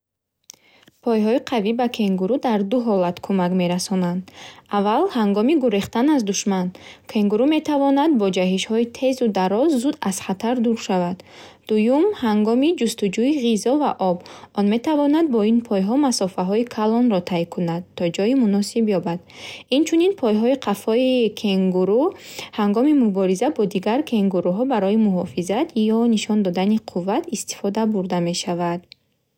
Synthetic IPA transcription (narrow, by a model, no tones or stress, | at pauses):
pʰɔjɦɔiqʰavibakʰe̞ŋɡuɾud̪aɾd̪uɦɔlat̪kʰumakme̞ɾasɔnand̪avːalhaŋɡɔmiɡuɾeχt̪anazd̪uʃmankʰe̞ŋɡuɾume̞t̪ʰavɔnad̪̚bɔd͡ʒaɦiʃhɔit̪ʰe̞zud̪aɾɔzːud̪az̥χat̪ʰaɾd̪uɾʃavad̪̥ː | ujumhaŋɡɔmid͡ʒust̪ud͡ʒuiʁizɔva̰ʔɔbɔnme̞t̪avɔnad̪̚bɔinpʰɔjɦɔmasɔfaɦɔikʰalɔnɾɔt̪ʰajkʰunad̪t̪ʰːɔd͡ʒɔimunɔsibjɔbad̪̥ | int͡ʃʰuninpʰɔjɦɔiqʰafɔikʰeŋɡuɾuhaŋɡɔmimubɔɾizabɔd̪iɡaɾkʰe̞ŋɡuɾuɦɔbaɾɔimuɦɔfizat̪ʰjɔniʃɔnd̪ɔd̪aniqʰuvːat̪ist̪i̥fɔd̪abuɾd̪ame̞ʃavad̪